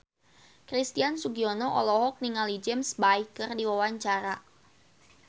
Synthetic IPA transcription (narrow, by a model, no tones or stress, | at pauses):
kɾist̪iansuɡiɔnɔʔɔ̰lɔɦɔk̚niŋalid͡ʒɛmsbaikərdiwawaɲt͡ʃaɾa